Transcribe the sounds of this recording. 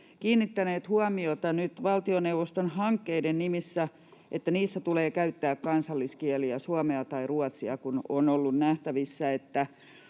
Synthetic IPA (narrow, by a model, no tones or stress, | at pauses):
kiːnːit̪ːæneːt̪huɑmiot̪ɑnyt̪ʋɑlt̪ionewʋost̪onhɑŋkːeidennimisːæ | ʔet̪ːæniːsːæt̪uleːkæyt̪ːæːkkɑnsɑlːiskiɛliæsuɑmeɑt̪ɑiruɑt̪siɑkunonolːunnæht̪æʋisːæet̪ːæ